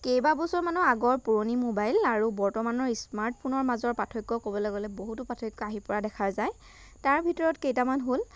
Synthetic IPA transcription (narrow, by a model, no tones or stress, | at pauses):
kejbabɔsɔɹmanuaɡɔɹpuɹonimobajlaɹubɔɹtɔmanɔɹismaɹt̚pʰunɔɹmazɔɹpatʰɔjkːɔkobɔlɔɡɔlɛboɦutʊpatʰɔjkːɔaɦipɔɹadɛkʰaɹzaj | taɹbʱitɔɹɔtkejtamanɦol